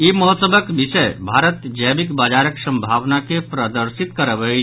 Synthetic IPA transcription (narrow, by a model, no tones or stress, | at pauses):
iməɦɔt̪səbəkbisəjbʱaɾət̪d͡ʒəbikbad͡ʒaɾəksəmbʱaʋnakepɾəd̪əɾsit̪kəɾəbə